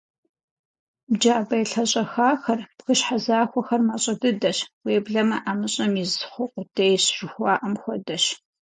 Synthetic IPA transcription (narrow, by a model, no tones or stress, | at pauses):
d͡ʒaːbɐjɬɐɕʼɐxaːxɐrpxɨɕħazaːxʷɔxɐrmaɕʼɐdɨdɐɕweːbɮɐmɐʔaːmɨɕʼɐmizχʷʊqʷʼʊtʰejɕʒ̥ɨxʷɑːʔɐmxʷɔdɐɕ